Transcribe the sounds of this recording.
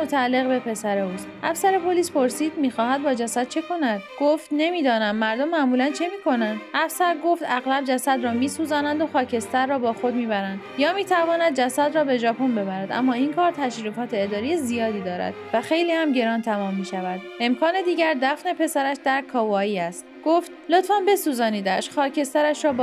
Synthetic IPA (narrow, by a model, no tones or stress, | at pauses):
ot̪ʰæːlːe̞ɣbe̞pʰe̞sæɾe̞uːsʔæfsæɾe̞pʰo̞liːspo̞ɾsiːd̪miːxɒːɦæd̪̚bɒːd͡ʒæsæd̪̥̚t͡ʃʰe̞kʰo̞næd̪̥ɡ̥oft̪ne̞miːd̪ɒːnænmæɾd̪o̞mːæʔmuːlænt͡ʃʰe̞miːkʰo̞nænd̥̪ʔæfsæɾɡo̞ft̪æɣlæbd͡ʒæsæd̪ɾɒːmiːsuːzæːnænd̪o̞xɒːcʰe̞st̪æɾːɒːbɒːxo̞d̪miːbæɾænd̪jɒːmiːt̪ʰævɒːnæd̪̚d͡ʒæsæd̪ɾɒːbe̞d͡ʒɒːpʰo̞nbe̞bæɾæd̪ʔæ̰mːɒːinkʰɒːɾt̪ʰæʃɾiːfɒːt̪ʰe̞ːd̪ɒːɾijezijɒːd̪iːd̪ɒːɾæ̰d̪̥væxe̞jliːhæmɟe̞ɾɒːnt̪ʰæmɒːmːiːʃævæd̪̚e̞mkʰɒːne̞d̪iːɟæɾd̪æfne̞pʰe̞sæɾæʃd̪æɾkʰɒːvɒːiːæst̪ɡ̥oft̪lo̞t̪fɒnbe̞suːzɒːniːd̪æʃxɒːcʰe̞st̪æɾæʃɾɒːb